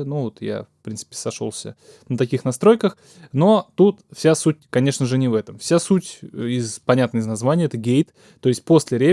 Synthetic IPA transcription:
nuvot̪ja̰fpɾʲint̪sɨ̥pʲɪ̥sɐʂo̞̰lˠsʲə̰ | nət̪ɐkʲixnɐst̪ɾo̞jkəx | no̞t̪ut̪fsʲasutʲkɐnʲe̞ʂnəʐɨnʲɪvɛt̪əmfsʲasutʲɪzpɐnʲat̪nəɪznɐzvanʲɪjəɛt̪əɡʲejt̪ | t̪ːo̞ɪsʲt̚ʲpo̞sʲlʲɪɾʲe

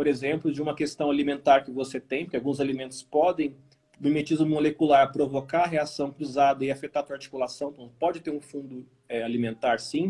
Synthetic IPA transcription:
poɾezẽmplʊd͡ʒɪũmɐkest̪ɐ̃w̃alimẽnt̪aɾkɪvoset̪ẽj̃pɾkawɡũzalimẽnt̪ʊ̥spɔd̪ẽj̃ | mimet͡ʃizʊmolekulaɾɐpɾovokaɐɦeasɐ̃w̃kɾuzad̪ɐɪafet̪aɾt̪uaɾt͡ʃi̥kulasɐ̃w̃t̪ɐ̃pɔd͡ʒɪt̪eɾũfũnd̪ʊ | ɛalimẽnt̪aɾsĩ

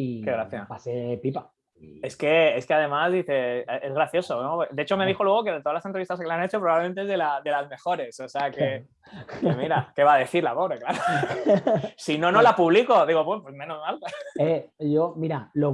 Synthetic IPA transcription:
ike̞ɣɾaθjapasepipa | e̞ske̞eske̞aðe̞mazðiθe̞eezɣɾaθjo̞so̞nopd̪e̞et͡ʃo̞me̞ð̞ixo̞lwe̞ɣ̞o̞ke̞ðet̪oalasent̪ɾist̪aske̞lanet͡ʃopɾβaβlemẽnt̪eezðelaðe̞lazme̞xo̞ɾe̞soseake | emiɾake̞βaðe̞θiɾlapoβɾeklaɾo | sino̞no̞lapuβliko̞ðiɣo̞pepwezmẽ̞no̞zmaleʝomiɾalo

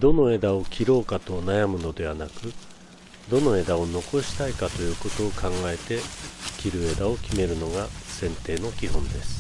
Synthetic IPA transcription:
d̪o̞no̞e̞d̪ao̞kʲʰiɾo̞ːkat̪o̞najamɯ̟no̞d̪e̞βanakɯ̟ | d̪o̞no̞e̞d̪ao̞no̞ko̞ɕi̥t̪aikat̪o̞jɯ̟ːko̞t̪o̞ːkãŋɡae̞t̪e̞kʲiɾɯ̟e̞d̪ao̞kʲime̞ɾɯ̟no̞ɡasẽ̞nt̪e̞ːno̞kʲiɦõ̞nd̪e̞sɨ̥

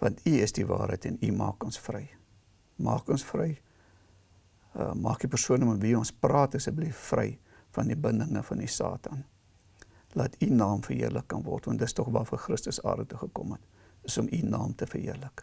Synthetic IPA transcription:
vɐntiəsdivɑ̰ːɾɦəjtɛnimɑ̰ːkɔnsfrɛj | mɑːkɔnsfrəj | əmɑːkdipərsuənəmətviɔnsprɑːtəsəblijfrɛj | fɐndibəndəŋəfɐnisɑ̰ːtʰɐn | lɐtʰinɑːmfərɦḭərləkːɐnvɔ̰rtvɐntdətstɔχvɑːfəχrəstəsɑ̰ːrdətuχəkɔmət | əsɔminɑ̰ːmtəfərɦiərlək

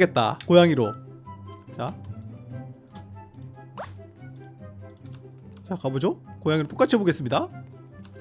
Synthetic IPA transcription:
e̞t̚t͈a̰kojaŋiɾo | t͡ɕa | t͡ɕakabod͡ʑokojaŋiɾot͈ok͈at͡ɕʰiboɡe̞s͈ɯmɲida

